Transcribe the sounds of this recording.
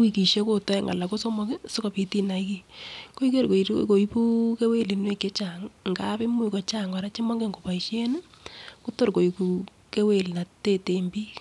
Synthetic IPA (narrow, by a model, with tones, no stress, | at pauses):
wi˦ki˨ʃe˦ko˦tɔ˦ɛ˦ŋa̰˨la˨ko˦so˦mɔ˦ke˦so˦ko˨pi˨ti˦na˨i˦ki˦ko˦i˦ke˦ɾko˨ko˨i˦pu˦ke˦we˦˨li˨nwe˦ke˦t͡ʃa˨ŋŋɡa˦pɪ˦mu˦i˨kɔ˨t͡ʃa˦ŋɡa˨ɾa˦t͡ʃe˦mɔ˦ŋɡe˦ŋɡo˨pa˨i˨ʃe˦n˦ | ku˦to˦ɾko˨i˨ku˨ | ke˦we˦˨lna˨te˦te˨mbi˦